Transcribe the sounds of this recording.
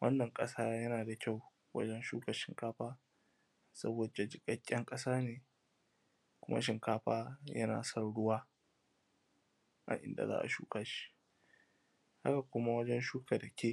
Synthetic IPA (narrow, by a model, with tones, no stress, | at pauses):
wɐ̰˦nːɐ˨ŋkʼɐ˦saː˦jɐ˦naː˨da˨kʲa˦˨w | wɐ̰˦d͡ʒɛ˦nʃuː˦kɐ˨rʃɪ˨ŋkaː˦ɸaː˦ | sɐ˦boː˨da˨d͡ʒɪ˦kʼɐ˦kʲʼːɛ˦ŋkʼɐ˦saː˦neː˨ | kʷʊ˦ma̰˦ʃɪ˨ŋkaː˦ɸaː˦jɐ̰˦na̰ː˨sɐ˦rɽʊ˦waː˦ | ʔa̰˦˨ʔɪ̰˨nda̰˨za̰ː˦ʔa̰˨ʃṵː˦kaː˦ʃi̥˦ | ha̰˦ka˨kʷʊ˦ma˦wɐ˦d͡ʒɛ˦nʃuː˦ka˨dɐ˨kʲʰeː˦˨